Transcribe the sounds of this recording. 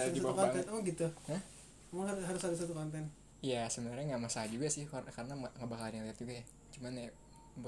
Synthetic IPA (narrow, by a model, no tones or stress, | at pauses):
d͡ʒisabaukɔɛnmaŋɡit̪uhəh | maŋɦaɾɦaɾʊsadasat̪ukɔnt̪ɛn | ijasəbənarɲaŋɡaʔmasahad͡ʒuɡasɪhkakarənaŋaŋabakanɲaliɦat̪̚d͡ʒuɡaja | t͡ʃumana | b